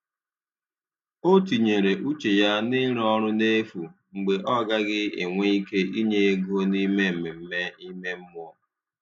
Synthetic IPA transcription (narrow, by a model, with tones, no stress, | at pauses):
o˦ti˨ɲe˨ɾe˨ʔu˦t͡ʃe˨ja˦nɪ˦ɾɔ˦ɾʊ˦ne˦fu˨ŋ͡m̩˨ɡ͡be˨ʔɔ˦ɡa˦ɡɪ˦ḛ˨ŋʷe˦i˦ke˦ʔi˦ɲe˦e˦ɡu˦o˦ni˦me˦m̩˨mɪ˨m̩˦me˦i˦me˦m̩˦m˦ɔ˦